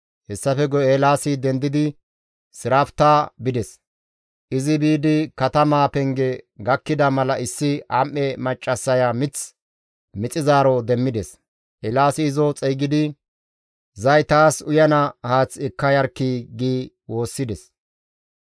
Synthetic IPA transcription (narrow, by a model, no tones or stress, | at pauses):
hɛsːɐfɛɡɔelaːsɪd̪ɛnd̪ɪd̪ɪ | sɪɾaːft̪aːbɪd̪ɛs | ʔɪzɪbiːd̪ɪkɐt̪ɐmaːpɛŋɡɛɡɐkːɪd̪ɐmɐlɐʔɪsːɪamʔːɛmɐt͡ʃʼːɐsːɐjamɪt͡s | mɪt͡sʼɪzaːɾɔd̪ɛmːɪd̪ɛs | ʔɛlaːsɪːzɔt͡sʼɛjɡɪd̪ɪ | zɐjt̪aːsʊjɐnɐhaːt͡sɪkːɐjɐɾkːiɡiː | wo̞ːsːɪd̪ɛs